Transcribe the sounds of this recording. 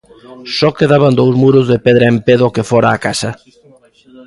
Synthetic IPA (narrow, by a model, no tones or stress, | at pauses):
sɔkeðaβand̪owzmuɾʊzðepeðɾaempeðokefɔɾaːkasɐ